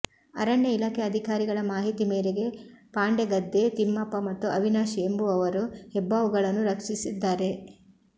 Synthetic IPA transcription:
ɐ̰ɾɐɳjeilaːkʰeɐd̪ʱikaːɾiɡɐɭɐmaːɦit̪imeːɾeɡe̞paːɳɖeɡɐd̪ːe̞t̪imːɐpːɐmɐt̪ːuɐʋinaːʃiembuɐʋɐɾuhɛbːaːʋuɡɐɭɐnːuɾɐkʂisid̪ːaːɾe̞

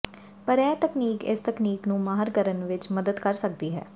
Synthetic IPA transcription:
pəɾɛːt̪əkniːkɪ̰st̪əkniːknũːmaːɦəɾɡəɾənʋɪt͡ʃməd̪əd̪kəɾsək̚d̪iːɦɛ̰ː

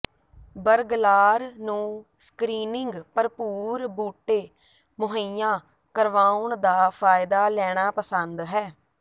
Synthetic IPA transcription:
bəɾɡlaːɾnũːskɾiːnɪŋɡpəɾpuːɾbuːʈːeː | mʊɦəijãː | kəɾʋaːʊɳd̪aːpʰaːɪd̪aːlɛːɽ̃aːpəsənd̪ɦɛː

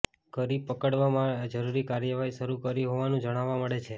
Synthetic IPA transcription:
ɡəɾib̚pəkəɽʋamãd͡ʒəɾuɾikaɾjəʋaɦiʃəɾukəɾiɦoʋanũd͡ʒəɽ̃aʋaməɽet͡ʃʰe

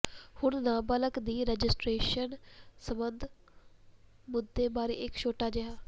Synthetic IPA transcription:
hʊɳnãːbaːləkd̪iːɾɛːd͡ʒɪsʈɾeːʃənsəmənd̪ʱ | mʊd̪ːeːbaːɾḛːɪkʃʰoːʈaːd͡ʒeɦaː

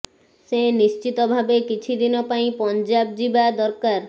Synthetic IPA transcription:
senist͡ʃit̪ɔbʱabekit͡ʃʰid̪inɔpaĩpɔnd͡ʒab̚d͡ʒibad̪ɔɾkaɾ

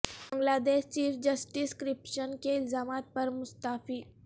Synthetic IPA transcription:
bbə̃ŋɡlaːd̪eːʃt͡ʃiːfd͡ʒɐsʈiskɾɪpʃənkeɪlzaːmaːt̪̚pɐɾmʊst̪aːfiː

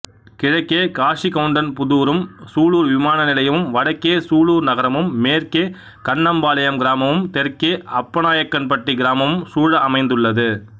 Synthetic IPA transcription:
kɪɻɐkːeːkaːʂikɐʋɯɳɖɐnpʊðuːɾɯmsuːɭuːɾʋɪmaːnɐnɪlɐjɐʋɯmʋɐɽɐkːeːsuːɭuːɾnɐɣɐɾɐmɯmːeːɾkeː | kɐɳːɐmbaːlɐjɐmɡɪɾaːmɐʋɯmt̪ɛɾkeːɐpːɐnaːjɐkːɐnpɐʈːiɡɪɾaːmɐʋɯmsuːɻɐɐmɐɪnd̪ɯɭːɐðɯ

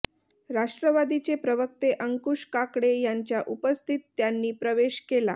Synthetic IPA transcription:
ɾaʂʈɾəʋad̪it͡sepɾəʋək̚t̪eʔəŋkuʂkakɽejaɲt͡ɕjaʔupəst̪ʰit̪ːjanːiːpɾəʋeɕkela̰

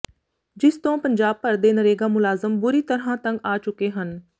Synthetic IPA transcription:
d͡ʒɪst̪õːpəɲd͡ʒaːb̚pəɾd̪eːnəɾeːɡãːmʊlaːzəmbʊɾiːt̪əɾɦãːt̪ə̃ŋɡaːt͡ʃʊkeːɦən

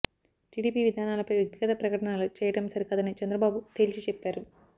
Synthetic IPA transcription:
ʈiːɽiːpiːʋid̪ʱaːnaːlɐpɐjʋjek̚t̪iɡɐt̪ɐpɾɐkɐʈɐɳalut͡ʃɛːjɐɽɐmsɐɾikɐd̪ɐnit͡ʃɛnd̪ɾɐbaːbut̪eːlisit͡ʃɛpːaːɾu

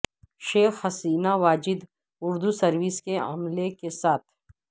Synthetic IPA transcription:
ʃeːxhɐsiːnaʋaːd͡ʒɪd̪ | ʊɾd̪usɐɾʋiskeɐ̰mlekesaːt̪ʰ

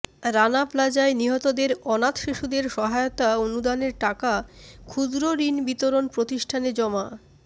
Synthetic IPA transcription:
ɾanaplad͡ʑaeniɦɔt̪od̪eɾɔnat̪ʃiʃud̪eɾʃɔɦajot̪aonud̪aneɾʈakakʰud̪ɾoɾinbit̪oɾonpɾot̪iʃʈʰaned͡ʑɔma

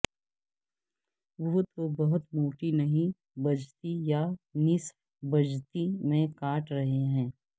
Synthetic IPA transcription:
ʋʊɦʊt̪obɐɦʊt̪moːʈinɐɦĩ | bɐd͡ʒt̪ijanɪs | bɐd͡ʒt̪imẽkaːʈɾɐɦeɦɛ̃ː

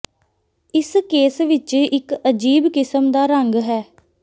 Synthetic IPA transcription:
ɪskeːsʋɪt͡ʃɪkəd͡ʒiːbkɪsəmd̪aːɾəŋɡɦɛː

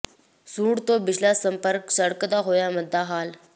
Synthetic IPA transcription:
suːɽt̪obɪt͡ʃʰlasə̃mpəɾksəɽkd̪aɦoːjaməd̪ʱːaɦaːl

